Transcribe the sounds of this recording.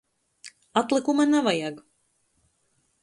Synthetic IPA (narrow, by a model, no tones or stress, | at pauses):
at̪lˠɨkumanavajaɡ